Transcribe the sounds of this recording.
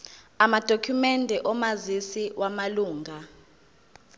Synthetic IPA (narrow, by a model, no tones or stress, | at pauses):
amad̥ʱokʰumɛndʱɛʔɔmazisiwʔamaluːŋʱa